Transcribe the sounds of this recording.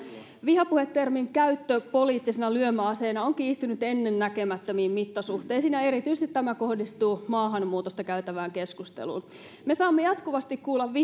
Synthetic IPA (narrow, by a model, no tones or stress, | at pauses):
ʋihɑpuhet̪ːermiŋkæyt̪ːøpo̞liːt̪ːisenɑlyømæɑseːnɑoŋkiːht̪ynyt̪e̞nːe̞nːæke̞mæt̪ːømiːmmit̪ːɑsuht̪eːnsiːnæe̞ɾit̪yjsst̪it̪tæmæko̞hdist̪uːmɑːɦɑnmuːt̪ost̪ɑkæyt̪æʋæːŋke̞skust̪ḛlṵːn | me̞sɑːmːejɑt̪kuʋɑst̪ikkuːlːɑʋʋi